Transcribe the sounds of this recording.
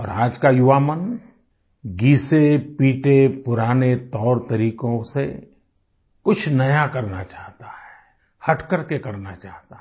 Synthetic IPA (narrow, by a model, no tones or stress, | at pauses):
ɔːɾaːd͡ʒkajʊʋaːmən | ɡiːsepiːʈepʊɾaːnet̪ɔːɾt̪ɐɾiːkõse | kʊt͡ʃʰnɐjakɐɾnat͡ʃaːɦt̪ahɛː | hɐʈkəɾkekɐɾnat͡ʃaːɦt̪a